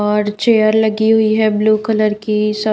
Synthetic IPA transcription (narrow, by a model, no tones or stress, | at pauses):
ɔːɾt͡ʃeːəɾlɐɡiɦʊiɦɛbluːkələɾkisɐ